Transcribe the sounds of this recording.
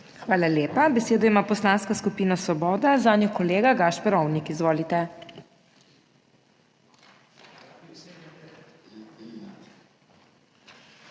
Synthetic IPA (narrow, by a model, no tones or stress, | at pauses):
xʋaːlaljeːpabɛseːd̪ɔimaːpɔslaːnskaskupiːnasʋɔbɔːd̪azaːnjɔkɔleːɡaɡaʃpɛɾɔwnikizʋoːlit̪ɛ